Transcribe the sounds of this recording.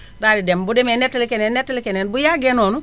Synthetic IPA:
dadidembudemenetːlikenenːetːlikenenbujaɡenonu

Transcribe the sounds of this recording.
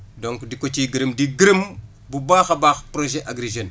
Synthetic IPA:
doŋkdikot͡ʃiɡəɾəmdiɡiɾəm | bubaːxɐbaːxpɾoʒeʔaɡɾeʒen

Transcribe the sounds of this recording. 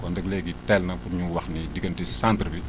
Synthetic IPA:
kɔndɛklɛɡitɛlnɐfuɲuwɐxnidiɡɐntisantrbi

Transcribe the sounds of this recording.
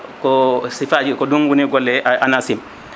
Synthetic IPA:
kɔsifad͡ʒikɔduŋɡuniɡɔlːɛʔʔa̰nasim

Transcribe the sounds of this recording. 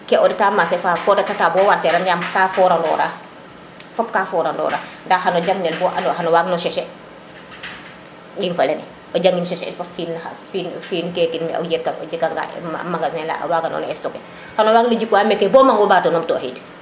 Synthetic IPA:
kɛɔdɛtaːmasɛfakɔːdɛtatabɔːwaɾtːɛɾanjamkaːfɔɾandɔ̰ːɾa | fɔpkafɔːɾandɔ̰ːɾa̰ːndahanoɟaŋɡnɛlbɔːʔanoɦanowaɡnɔʃɛʃɛ | dinfalɛnɛ | oɟaŋɡinʃɛʃnfafinafinfiːnkɛːkinmɛo̰jɛkːano̰d͡ʒikːaŋɡa̰a̰maŋɡasnɛla̰waɡanɔ̰nɛstɔkɛ | hanowaːɡnoɟikːuamɛkːebɔːmaŋɡɔbaːtonɔmto̰hḭt

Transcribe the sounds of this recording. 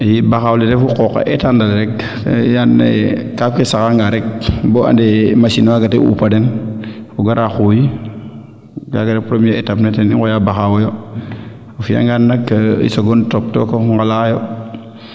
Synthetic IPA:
jibaxawletefukokːa̰ʔetandalɾɛk | janḛkakesakaŋɡaɾek̚boʔa̰ndemasinwaɡateṵpadenuɡaɾaxuji | ɡa̰ɡaɾepɾomeetapnetenikojabaxawojo | fija̰ŋɡanːakːaḭsoɡontop̚tokoŋɡalajo

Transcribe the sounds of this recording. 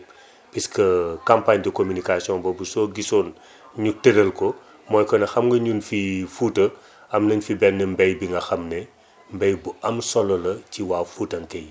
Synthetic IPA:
piskəkampaɲdikomunikasiɔ̃nbɔbusɔːɡisɔːn | ɲutəɾɐlkɔ | mɔːjkɔnɐxɐmɡɐɲunfifuːtə | ɐmnɐɲfibɛnːəmbɛjbiŋɡɐxɐmnɛ | mbɛjbuɐmsɔlɔlɐciwaːfuːtɐŋkɛj

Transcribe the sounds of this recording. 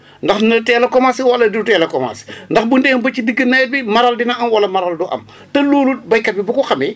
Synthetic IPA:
ndɐxnɐtɛːlɐkɔmasiwɐlɐditɛːlɐkɔma̰si̥ndɐxbundɛːŋbɐt͡ʃidiɡənɐjt̚bimɐɾaldinɐʔɐmwɐlɐmɐɾalduʔɐ̰m | tɐluːlut̚bɐjkɐt̚bibukuxɐmi

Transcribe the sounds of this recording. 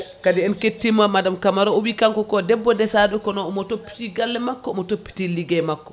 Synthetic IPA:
kadiɛnketːimamadamkamaɾɔowikaŋkɔkɔdɛbːɔdɛsaɗɔkɔnɔɔmɔtopːi̥tiɡalːɛmakːɔɔmɔtopːi̥tiliɡɛmakːɔ

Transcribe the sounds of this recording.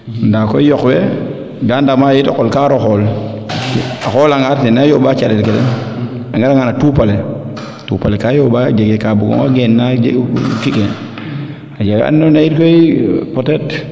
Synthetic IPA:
ndakɔjɔkwɛ | ɡandamajitɔ̰kːɔlkaɾɔxɔl | axɔlaŋaɾtinajoːbat͡ʃalɛlkɛdɛ̰n | aŋɡaɾaŋanatuːpale | tupalekajobad͡ʒaɡekabuɡɔ̰ŋaɡenːad͡ʒkike | ad͡ʒaɡa̰nːonaiɾkoipɔtɛt

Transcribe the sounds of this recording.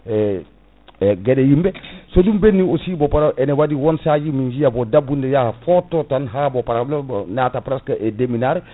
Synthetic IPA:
e | ɡedejimbesodumbenːiosibopaɾaʔenewadiwonsad͡ʒimiɲd͡ʒijabodabundejahafototanɦabopaɾalonatapɾaskaʔedeminaɾ

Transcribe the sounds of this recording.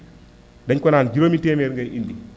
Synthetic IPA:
dɐɲkɔnaːnd͡ʒiɾomitɛːmeɾŋɡajʔindi

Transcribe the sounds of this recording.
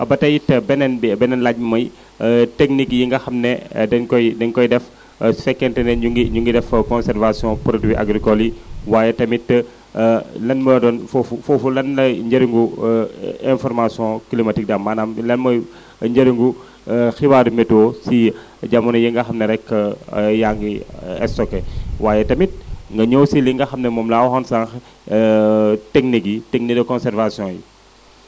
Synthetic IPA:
ʔɐbɐtɐjitːɐbɛnɛnbbɛnɛnlaɟ̚mɐmɐj | teknikjiŋɡɐxɐmnɛdɛnkɔjdɛnkɔjdɛf | sɛkːɛntɛnɛuɡiɲuŋɡidɛfkɔ̃nsɛɾvasiɔ̃pɾodwiʔa̰ɡɾikɔliwaːjɛtɐmitːə | lɐnmɐdɔnfɔfufɔfulɐnːɐɲɟɐɾiŋɡu | ɛ̃nfɔɾmasiɔ̃kilimɐtik̚damːanamlɛnmɐ | ɲɟɐɾiŋɡu | xibaːdimɛtɔsi | ɟamunɐjiŋɡɐxɐmnɐɾɛkːɐjaŋɡiɛ̰sɔkɛwaːjɛtɐmit̚ŋɡɐɲɔwsiliŋɡɐxɐmnɐmɔmlawɔxɔnsaŋ | tɛk̚nikitɛk̚niɡɐkɔnsɛrvasiɔ̃jḭ

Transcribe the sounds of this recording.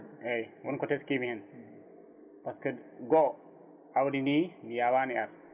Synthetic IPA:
ejwunkoteskimihin | paskəɡo | awdininijawanijaɾ

